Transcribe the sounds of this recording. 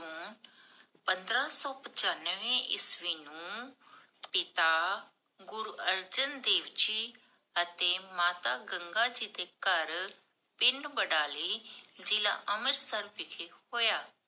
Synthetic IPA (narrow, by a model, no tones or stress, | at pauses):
uːn | pənd̪ɾaːsɔːpət͡ʃaːnʋẽːʔɪsʋiːnũː | pɪt̪aː | ɡʊɾuəɾd͡ʒənd̪eːʋt͡ʃiː | ət̪eːmaːt̪aːɡəŋɡaːd͡ʒiːt̪eːkəɾ | pɪɳɖbəɖaːliːd͡ʒɪla̰ːʔəməɾsəɾbɪkʰehoːjaː